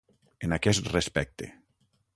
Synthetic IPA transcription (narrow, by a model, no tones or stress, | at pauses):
enakɛst̪respɛk̚t̪ḛ